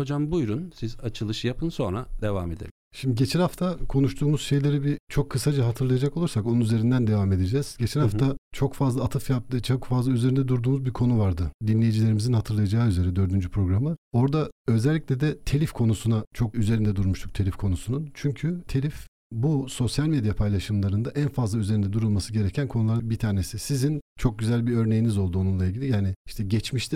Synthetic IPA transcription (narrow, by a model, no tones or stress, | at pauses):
ho̞d͡ʒambujɾunsizat͡ʃʰɯlˠɯʃɯjapʰɯnso̞nɾa̰d̪e̞va̰me̞d̪ḛlʲimʃimd̪iɟe̞t͡ʃʰɛnhaft̪ʰakʰo̞nuʃt̪ʰuːmuzʃe̞jlʲe̞ɾibit͡ʃʰo̞kʰːɯsad͡ʒaɦat̪ʰɯɾlˠajad͡ʒako̞lˠuɾsako̞nunyzeɾind̪ænd̪e̞vame̞d̪e̞d͡ʒɛːz̥ɟ̥e̞t͡ʃʰɛnhaft̪ʰat͡ʃʰo̞kfazlˠaːt̪ʰɯfjap̚t̪ɯt͡ʃʰokfazlˠayzeɾind̪ɛd̪uɾd̪uːmuzbiɾkʰo̞nuvaɾd̪ɯd̪inlʲe̞jid͡ʒilʲe̞ɾimizinhat̪ʰɯɾlˠajad͡ʒaːyze̞ɾɛd̪ø̞ɾd̪ynd͡ʒypʰɾo̞ɡɾamɯo̞ɾd̪aø̞zɛlʲːiclʲed̪ɛt̪ʰe̞lʲifkʰo̞nusunat͡ʃʰo̞kyze̞ɾind̪ɛd̪uɾmuʃt̪ʰu̥k̚t̪ʰe̞lʲifkʰo̞nusununt͡ʃʰyɲcʰyt̪ʰe̞lʲif | buso̞sjalʲme̞d̪japʰajlˠaʃɯmlˠaɾɯnd̪aʔænfazlˠayze̞ɾind̪ɛd̪uɾulˠmasɯɟe̞ɾecʰænkʰonulˠaɾbit̪ʰaːne̞sisizint͡ʃʰo̞k̚ɟyzælʲbiø̞ɾne̞jinizo̞lˠd̪uo̞nunlˠailʲɟilʲijaːniiʃt̪ʰɛɟɛt͡ʃmiʃt̪ʰi